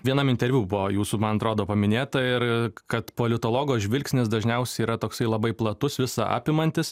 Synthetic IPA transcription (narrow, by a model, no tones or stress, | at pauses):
ʋʲiɛnɐmɪnt̪ʲɛɾʲʋʲuːbʊoːjuːsumɐnɐt̪ɾoːd̪oːpɐmʲɪnʲeːt̪ɐɪɾkɐt̪poːlʲɪt̪oːlˠoːɡoːʒʲʋʲɪlʲksʲnʲɪsd̪ɐʒʲnʲɛʊsʲɛiːɾɐt̪oːksɐɪlˠɐbɐɪplˠɐt̪ʊsʋʲɪsɐʔɑ̰ːpʲɪmɐnʲt̪ʲɪs